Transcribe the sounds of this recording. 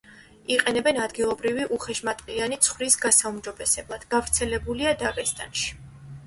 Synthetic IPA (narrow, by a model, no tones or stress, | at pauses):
iqʼɛnɛbɛnad̪ɡilˠɔbɾiviʔuχɛʃmat̪ʼqʼianit̪sʰχwvɾisɡasaumd͡ʒɔbɛsɛblˠad̪̥ɡ̥avɾt̪sʰɛlɛbuliad̪aɡʼɛst̪ʼa̰nʃi̥